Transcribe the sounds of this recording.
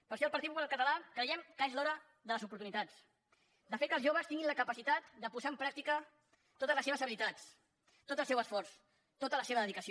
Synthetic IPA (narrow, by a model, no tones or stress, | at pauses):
pəɾʃɔlˠpəɾt̪it̪̚pupulalˠkət̪əlakɾəjɛmkəezlɔɾə | ðələzupuɾt̪unit̪at͡s | d̪əfet̪̚kəlˠzʒoβəst̪iŋɡinləkəpəsit̪at̪d̪əpuzaəmpɾak̚t̪ikə | t̪ot̪əzləseβəszəβilit̪at͡s | t̪ot̪əlˠsɛwəsfɔrs | t̪ot̪ələseβðəðikəsi